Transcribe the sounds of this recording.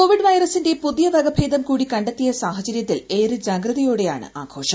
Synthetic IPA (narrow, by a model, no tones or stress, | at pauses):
koːʋiɖʋɐjɾɐsinde̞puðijɐʋɐɡɐbʱeːd̪ɐmkuːɽikɐɳɖet̪ːijɐsaːɦɐt͡ɕɐɾjɐt̪ːileːɾɨd͡ʑaːɡɾɐðɐjoːɽe̞jaːɳɨ̰ʔa̰ːɡʰo̞ːʂɐm